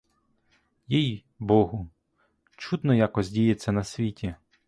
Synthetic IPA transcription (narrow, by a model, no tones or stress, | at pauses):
jij | bɔɦʊ | t͡ʃud̪nɔjakɔzʲdʲijet͡sʲːɐnɐsʲʋʲitʲi